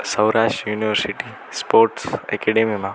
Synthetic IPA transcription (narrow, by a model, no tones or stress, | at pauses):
səwɾaʃʈjuːniʋəɾsiʈi | spoɾʈsɛ̰kɛɖemimã